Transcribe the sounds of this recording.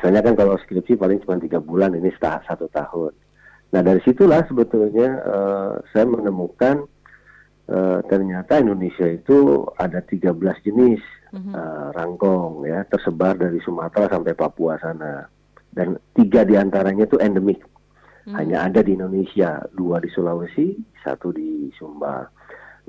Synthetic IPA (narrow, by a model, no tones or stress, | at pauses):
asaɲakankalawskɾip̚sipalɪŋt͡ʃumant̪iɡabulaninist̪a̰sat̪ut̪ahʊnː | ahdaɾisit̪ulahsəbət̪ulɲaə̰sajamənəmukan | ʔət̪ərɲat̪aindonesiait̪ua̰dat̪iɡabəlasd͡ʒənɪsəraŋɡɔŋjat̪ərsəbardaɾisumat̪ɾasampajpapuasana | dant̪iɡadiant̪aɾaɲat̪uɛndəmɪk̚ | haɲaːdadiːndonesia̰duadisulawəsisa̰t̪udisumba̰ | n